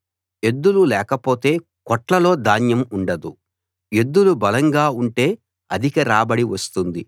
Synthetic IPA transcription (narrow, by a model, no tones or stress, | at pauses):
e̞d̪ːululɛːkɐpo̞ːt̪e̞ː | kɔʈlɐlo̞ːd̪aːnjɐmuɳɖɐd̪u | e̞d̪ːulubɐlɐŋɡaːuɳʈe̞ː | ɐd̪ʱikɐɾaːbɐɽiʋɐst̪und̪i